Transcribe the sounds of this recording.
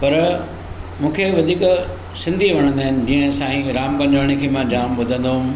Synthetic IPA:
pɐɾ | mũːkʰeʋɐd̪ʱiːk | sɪ̃nd̪ʱiʋɐɽ̃ə̃nd̪aːɦɪnɪ̆d͡ʑiːə̃sãːĩɾaːmkɐ̃ɲd͡ʑəːɽ̃ekʰeːmãd͡ʑaːmbʊd̪ʱə̃nd̪oɦũ

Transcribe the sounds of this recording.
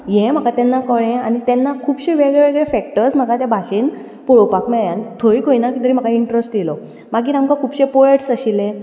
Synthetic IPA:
jẽm̤əkat̪enːakəɭẽanit̪ɛnːakʰuːbɕẽʋeɡeɡɭefɛk̚ʈəɾsm̤əkat̪jabʱaɕiːn | puɭowpakmɛɭjant̪ʰoikʰoinakit̪əɾiːm̤əkaiɳʈɾəsʈjelɔ | maɡiːɾamkakʰuːbɕẽpoeʈsəɕilẽ

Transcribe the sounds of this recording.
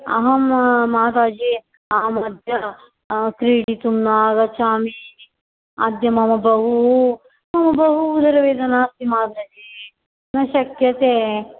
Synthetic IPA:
ɐ̰ɦɐmːaːd̪aːd͡ʒi | ɐɐmɐd̪ʱjɐ | kɾiːɽit̪umnaːɡɐt͡ʃaːmi | a̰d̪jɐmɐmɐbɐɦu | mɐmɐbɐɦuːd̪ʱɐɾɐʋeːd̪ɐnaːst̪imaːd̪ɐd͡ʒi | nɐʃɐkjɐt̪eː

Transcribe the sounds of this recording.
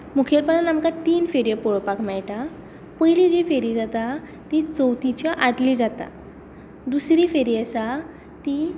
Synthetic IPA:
mukʰjeɾpənanamkat̪iːnfeɾijəpoɭopakʰmɛɭʈa | pəjlid͡ʑifeɾid͡zat̪a | t̪it͡səwt̪it͡ɕəʔat̪liːd͡zat̪a̰ | d̪usɾiːfeɾiəsa | t̪i

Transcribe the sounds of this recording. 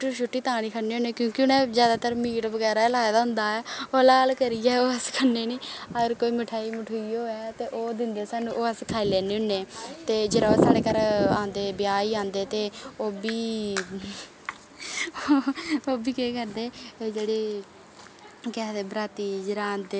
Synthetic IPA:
ʃʰʊʈːiːt̪ãːɽ̃iːkʰəneːʊneːkjõːkɪʊnɛ̃ːd͡ʒjaːd̪aːt̪əɾmiːʈʋəɡɛːɾaːlaːd̪aːɦʊ̃nd̪aːɛːoːlaːlkəɾɪːɛːoːəskʰəneːniːəɡəɾkoːiːməʈʰaːiːməʈʰuiːoːɛːt̪eːʔoːd̪ɪnd̪eːsaːnũːʔoːəskʰaːiːlɛːneːɦʊnːeːt̪eːd͡ʒɪɾaːosaːɽeːkəɾãːnd̪eːbɪjaːiːãːnd̪eːt̪eːoːbiː | oːbiːkeːkəɾd̪eːd͡ʒeːɽeː | kɛːd̪eːbɾaːt̪iːd͡ʒɪɾãːd̪e

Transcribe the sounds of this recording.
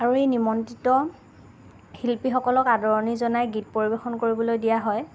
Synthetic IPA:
aɹuejnimɔntitɔ | hilpixɔkɔlɔkadɔɹɔnizɔnajɡit̚poɹibexɔnkoɹibɔlojdijaɦɔj

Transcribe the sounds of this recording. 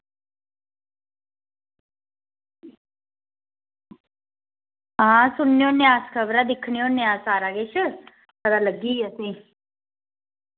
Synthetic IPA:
ãsʊnːjoneãːskʰəʋɾad̪ɪkʰɳijoneãːsaːɾaɡet͡ʃʰə | kəɾaləɡiːəsĩ

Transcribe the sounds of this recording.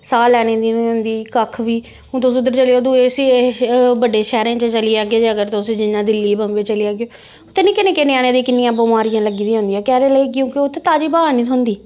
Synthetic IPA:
saːlɛːñẽːd̪iːnd̪iːkəkʰʋiː | ʊ̃ːt̪õsʊd̪əɾt͡ʃəliːoːd̪uːeːs | bəɖeːʃɛːɾẽːt͡ʃət͡ʃəliːaːɡeːd͡ʒeəɡəɾt̪ːʊsːd͡ʒɪnːãːd̪ɪlːiːbəmbeːt͡ʃəliaːɡjoː | ot̪eːnĩːkɪnẽːkɪneːaːñeːd̪iːkɪnːɪjãːbomaːɾɪjãːləɡiːd̪iːɦʊ̃nd̪ijaːkɛːɾeːləikɪjũːkɪoːt̪ʰːeːt̪aːd͡ʒiːbaːaːnĩːt̪ʰʊnd̪iː

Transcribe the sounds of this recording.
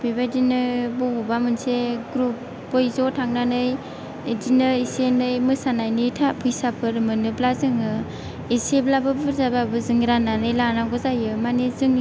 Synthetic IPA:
b̥ibadinɯbɔbubamɯnseɡɾup̚ː | ojzɔtʰaŋnanɯj | dinɯisenɯjmɯsanajnɯtʰapʰɯjsapʰɯɾmɯnɯblazɯŋɯ | iseblabɯbɯɾzababɯzɯŋɾananɯjlanaɡɔzajɯmanizɯŋ

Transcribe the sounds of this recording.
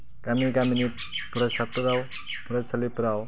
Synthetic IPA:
kamiikamini | puɾasapuɾaw | puɾasalipuɾaw

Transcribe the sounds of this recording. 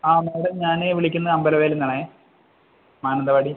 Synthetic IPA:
aːnaːʋiɽeɲaːneʋiɭikʲːunːɐɐmbɐlɐʋeːlenːaːɳe | maːnɐnd̪ɐʋaːɽi

